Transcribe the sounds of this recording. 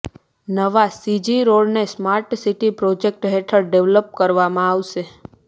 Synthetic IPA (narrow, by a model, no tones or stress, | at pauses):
nəʋasid͡ʒiɾoɭnesmaɾʈsiʈipɾod͡ʒek̚ʈɦeʈʰəɾɖeʋləp̚kəɾʋamãaʋʃe